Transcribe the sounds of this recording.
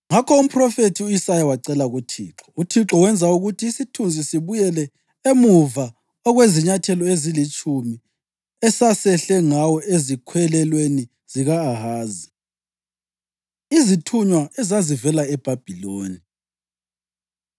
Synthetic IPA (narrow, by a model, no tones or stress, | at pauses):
ŋakʰɔum̩pʰʼrɔfetʰiuisajawaǀɛlaɣutʰḭːǁɔ̥utʰiǁɔwɛnd͡zʱauɣutʰiːsitʰund͡zʱisiβujɛlɛ | emuva | ɔɣweziɲatʰɛlɔezilit͡ʃʼumi | ɛsasɛɬɛŋawɔʔezikʰwɛlɛlweni | z̥iɣaːhaːzi | izitʰuɲwaɛzazivɛlaɛb̥ʱab̥ʱiloːni